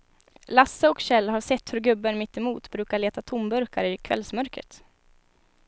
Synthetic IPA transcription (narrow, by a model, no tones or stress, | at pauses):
lasːəɔkɕɛlːɦaʂɛt̪ːhɵɾɡɵbːənmɪt̪ːɛmuːt̪bɾʉ̟ːkaɭeːt̪at̪ʰʊmbɵɾka̰ɾɪkʰvɛ̰lsmœɾkɾə̰t̪